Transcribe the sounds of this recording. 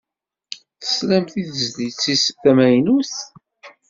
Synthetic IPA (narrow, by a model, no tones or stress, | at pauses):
θə̥slæmθiðəzðit͡sːisə̥θæmæjnuθ